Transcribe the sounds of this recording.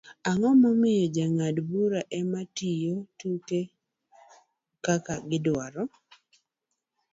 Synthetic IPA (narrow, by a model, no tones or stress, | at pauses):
aŋɔmɔmɪjɔd͡ʒaŋadbuɾaʔɛmatijotuke | kakaɡɪdwaɾɔ